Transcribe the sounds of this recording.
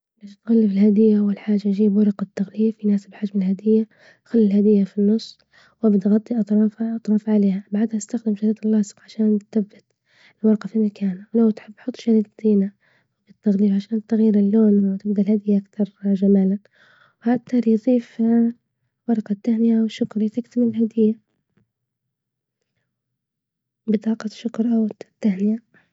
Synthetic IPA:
baːʃt̪ɣalːɪfɪlhad̪ɪjːawɪlħaːd͡ʒːajd͡ʒiːbwɑɾˤɑqɑt̪ːaɣliːfinaːsbħad͡ʒmɪlhad̪ɪjːa | xalːɪlhad̪ɪjːafinːɨsˤ | wʔabd̪ɣɑt̪ˤːiʔɑt̪ˤɾˤɑːfʔɑt̪ˤɾˤɑːfʕaleːhabaʕd̪haʔɪst̪axd̪ɪmʃaɾiːlːɑːsɨ̥qʕaʃaːnt̪θabːɪt̪ | ɪlwɑɾˤɑqɑfimakʰaːnwlawt̪ħɪbːħʊt̪ˤːʃaɾiːd̪d̪iːna | bɪt̪ːaɣliːfʕaʃaːnt̪ːaɣjɪɾɪlːoːnwt̪ɪbd̪alhad̪ɪjːaʔakt̪ɑɾˤʒamaːlan | wħak̚t̪ːɑɾˤjðˤiːf | wɑɾˤɑqɑt̪ːahnɪjawʃːʊkɾit̪ɪkt̪amɪlɦad̪ɪjːa | bɨt̪ˤɑːqɑʃːʊkɾˤʔawt̪ːahnɪja

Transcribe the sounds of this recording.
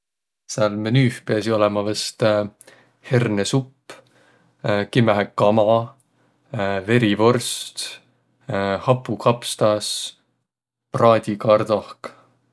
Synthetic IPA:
sɑlmenyːhpeɑs̬io̞lɛmɑvɑst̪ | he̞rnesupː | kimæɦekːɑmɑ | ve̞ɾivo̞rst̪ | hɑpːukʰɑpst̪ɑs | prɑːd̪̥ʲikɑrd̪̥ohk

